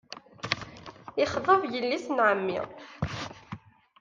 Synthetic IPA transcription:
ɪχðˤəvjəlːisnʕəmːḭ

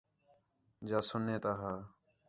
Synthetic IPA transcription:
d͡ʒaːsʊnːeːt̪aːɦaː

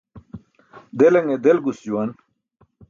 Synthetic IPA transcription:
d̪elɐŋed̪elɡusd͡ʑuwɐn

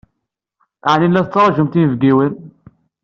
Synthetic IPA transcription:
aʕninlːæθət͡sːɑɾˤɑʒəmt̪invɡiwən

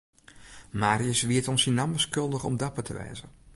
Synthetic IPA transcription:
maːɾiəsʋiətɔnsinaməskɵlˠdəxɔ̰mdapətʰə̰ʋɛ̰ːzə

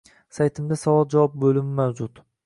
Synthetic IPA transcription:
sajt̪ʰɪmd̪asavɒlˠd͡ʒawɒp̚bɵlɪmɪmawd͡ʒʊt̪

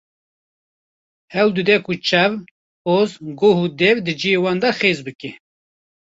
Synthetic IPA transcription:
hɛwd̪ɨd̪ɛkut͡ʃʰɛv | ozɡohuːd̪ɛvd̪ɨd͡ʒijewɑːnd̪ɑxeːzbɨke

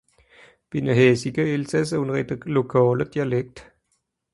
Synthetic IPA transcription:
b̥inəɦeːsiɡ̥əelsæs̬əunʁid̥əlokʰɔːləd̥iɐleɡ̥̚d̥

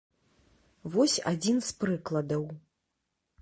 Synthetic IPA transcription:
vɔsʲa̰d͡zʲinspɾɨklˠɐd̪ɐw

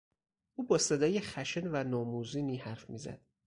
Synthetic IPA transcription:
ʔuːbɒːse̞d̪ɒːjexæʃenvænɒːmuːziːniːhæɾfmiːzæ̰d̪̥

